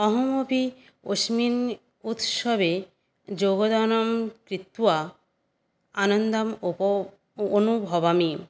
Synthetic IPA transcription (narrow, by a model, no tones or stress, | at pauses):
ɔɦomobʱi | oʃmin | ut̪ʃɔbe | d͡ʑoɡod̪anomkɾit̪ːua | anond̪amo | onubʱɔbami